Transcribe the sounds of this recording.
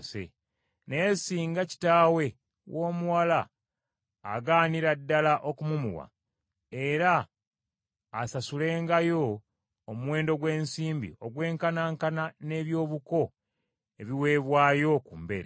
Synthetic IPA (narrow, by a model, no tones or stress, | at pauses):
sḛ | ne̞ːsiːŋɡaci̥taːwe̞ | wʔo̞ːmuwala̰ː | ɡaːniɾadːalaʔo̞kumumṵwa̰ | e̞ɾa | sasule̞ːŋɡajo̞ː | muwe̞ːndo̞ɡwe̞ːnsiːmbḭo̞ɡwe̞ːŋkanaːŋkanane̞ːβjo̞ːβuko̞ | e̞βiwe̞ːβwaːjo̞kuːmbe̞̰ɾḛ